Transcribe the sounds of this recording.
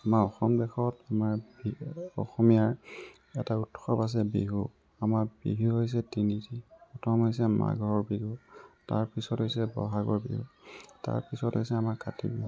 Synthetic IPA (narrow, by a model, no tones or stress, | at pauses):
amaɹɔxɔmbɛxɔtamaɹbiɔxɔmijaɹ | ɛtautxɔpas̬ɛbeɦu | amaɹbḭɦuɦojs̬ɛtinitippɔtʰɔmɦojs̬ɛma̰ɡʱɔɔɹbiɡuta̰ɹpisɔtɦojsɛbɔ̰ɦaɡɔɹbḭɦuta̰ɹpisɔtɦo̰jsɛamaɹkʰatḭbḭɦu